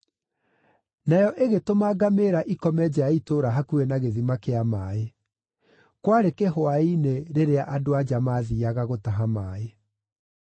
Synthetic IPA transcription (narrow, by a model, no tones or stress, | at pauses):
najɔʔeɣetomaɡameːɾaʔikɔmɛd͡ʑaaitoːɾaɦakuɛnaɣeðimakeamaːe | kwaɾekeɦoaineɾeɾeaʔadoad͡ʑamaðiaɣaɣotaɦamaːe